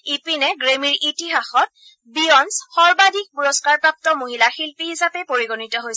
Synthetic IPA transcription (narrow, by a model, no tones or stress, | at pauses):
ipinɛɡɹemiɹʔitiɦaxɔt̚ | biɔnsxɔɹbadʱik̚puɹɔskaɹpɹap̚tɔmoɦilaxilpihisapɛpoɹiɡonitɔɦojs